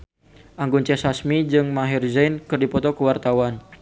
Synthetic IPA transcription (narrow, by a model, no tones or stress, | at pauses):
ʔaŋɡunt͡ʃɛsasmid͡ʒɨŋmaɦirzajnkɨrdipɔt̪ɔkəwart̪awan